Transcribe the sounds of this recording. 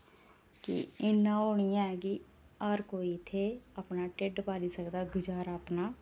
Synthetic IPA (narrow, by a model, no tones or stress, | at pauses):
kɪ̰ɪnːãːoːɳ̃ɪjãːɛːkɪ | aːɾkoːiːɪt̪ʰːeːapnaːʈeɖpaːliːsəkd̪aːɡʊd͡ʒaːɾaːpnaː